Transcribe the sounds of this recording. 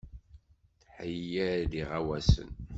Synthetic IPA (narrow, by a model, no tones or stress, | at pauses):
θħəjːæɾd̪iʁawæsə̰n